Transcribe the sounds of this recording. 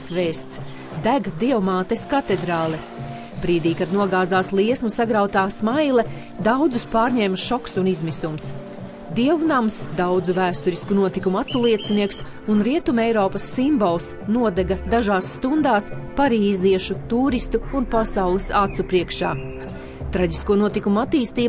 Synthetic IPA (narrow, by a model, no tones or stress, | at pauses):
svɛːst̪s | d̪æɡd̪iɛwmaːt̪eskat̪ed̪ɾaːlˠɛ | bɾiːd̪iːkad̪nuɔɡaːzaːslˠiɛsmusaɡɾawt̪aːsmajlˠɛ | d̪awd̪zuspaːɾɲɛːmʃɔksunizmisums | d̪iɛvunamsd̪awd̪zuvæːst̪uɾiskunuɔt̪ikumuat̪sulˠiɛt̪siniɛks | unɾiɛt̪umɛjɾɔːpɐsːimbɔlˠs | nuɔd̪ɛɡad̪aʒaːsːt̪und̪aːspaɾiːziɛʃut̪uːɾist̪uːnpasawlˠisat̪supɾiɛkʃa̰ː | t̪ɾaɟiskuɔnuɔt̪ikumuat̪iːst̪iː